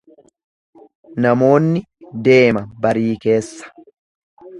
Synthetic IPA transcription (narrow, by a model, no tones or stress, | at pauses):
nɐmo̞ːnːɪ | d̪e̞ːmɐbɐɾiːke̞ːsːɐ̥